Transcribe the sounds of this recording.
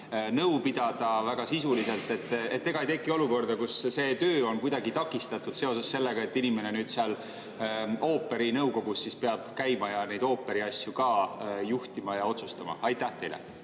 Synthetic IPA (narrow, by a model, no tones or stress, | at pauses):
nɤwpid̪̥ɑd̪̥ɑvæɡ̥ɑsisulise̞lt̪ːˑe̞t̪ːˑe̞̰t̪ːe̞ɡ̥ɑejt̪ekːˑio̞luko̞rd̪ɑkusse̞ːt̪øːo̞nkujd̪̥ɑɡit̪ɑkːˑist̪ɑt̪ːˑud̪̥se̞o̞s̬esːe̞lːe̞ɡ̥ɑe̞t̪ːinime̞ne̞nyːd̪̥seɑl | o̞ːpːˑe̞ɾinɤwko̞ɡ̥usːispeɑb̥kæjmɑjɑne̞jd̪o̞ːpːe̞ɾiɑsʲjukɑjuht̪imɑjɑo̞t̪sust̪ɑmɑ̰ɑjt̪ːˑæht̪e̞jlḛ